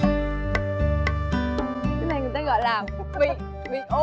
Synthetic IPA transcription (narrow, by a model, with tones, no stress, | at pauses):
t̪ʰna˨˩jŋɨ˨˩ə˩t̪aː˦ɣɔ̰˧˨jlaː˨˩fʊɓḭ˧˨ | vḭ˧˨ʔo˧